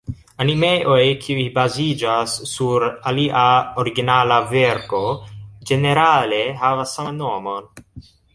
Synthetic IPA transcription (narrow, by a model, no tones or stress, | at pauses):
animeʔojkʰiujbazid͡ʒasːuɾaliʔaoɾiɡinalaveɾko̞d͡ʒe̞ne̞ɾale̞ɦavasːanomo̞n